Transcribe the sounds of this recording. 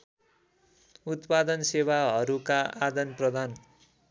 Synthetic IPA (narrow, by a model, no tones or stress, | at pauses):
ut̪pad̪ʌnsewaɦʌɾukaad̪ʌnprʌd̪ʱan